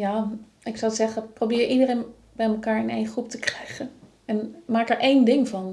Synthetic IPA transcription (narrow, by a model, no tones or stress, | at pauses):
jaː | ɪksɑwzɛχəprowbɪːɹʔidərejn | bɛjməkaːɹɪnejnχrup̚təkrɛjχən | ɛnmaːkɛɹʔejndɪŋvɑn